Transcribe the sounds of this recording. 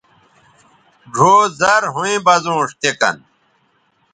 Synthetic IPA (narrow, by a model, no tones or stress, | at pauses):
ɡʱoːzɐɾɦuẽbɐzõːʂt̪ekɐ̰n